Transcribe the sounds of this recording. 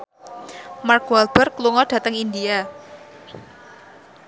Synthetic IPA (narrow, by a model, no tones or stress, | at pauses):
markwalb̥ərkluŋɔɖ̥ä̤t̪əŋindia